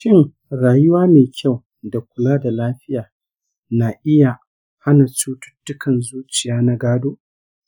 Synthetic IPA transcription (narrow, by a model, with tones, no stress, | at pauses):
ʃɪ˦ŋ | ɾaː˨jʊ˦waː˦meː˨kʲʰa˦˨w | da˨kʷʊ˨laː˦da˨laː˦ɸɪ˦jaː˨ | na˨ʔɪ˦ja˨ | ha˦na˨t͡ʃuː˦tʊ̥˦tːʊ˦kɐ˨nzuː˦t͡ʃɪ˨jaː˦na˦ɡaː˦doː˦